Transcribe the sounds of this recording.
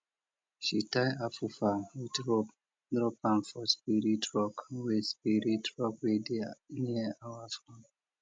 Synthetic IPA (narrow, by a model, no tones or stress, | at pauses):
ʃitajafufawidɹɔp | dɾɔpãnfɔspiɾitɹɔkwespiɾitɹɔkwediniaawafɾɔ̃n